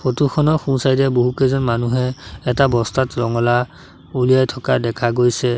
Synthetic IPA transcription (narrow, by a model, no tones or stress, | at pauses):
pʰotukʰɔnɔxũnsajdɛboɦukɛzɔnmanuɦɛːtabɔstatɹɔŋɔla | ulijajtʰɔkadɛkʰaɡojsɛ